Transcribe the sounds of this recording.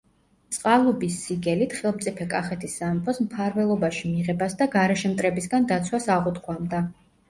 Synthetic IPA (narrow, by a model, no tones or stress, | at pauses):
t̪sʼqʼalˠɔbisːiɡɛlit̪χɛlˠmt̪sʼipʰɛkʼaχɛt̪ʰisːamɛpʰɔsmpʰaɾvɛlˠɔbaʃimiʁɛbasd̪aɡaɾɛʃɛmt̪ʼɾɛbisɡand̪at̪sʰwasaʁut̪χʰʼwamd̪a